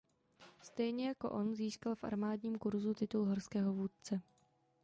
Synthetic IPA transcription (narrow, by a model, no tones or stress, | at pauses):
st̪ɛjɲɛjako̞̰ʔo̞nziːskalfʔa̰ɾmaːdɲiːmkuɾzut̪ɪt̪ulɦoɾskɛːɦo̞vuːt̪̚t͡sɛ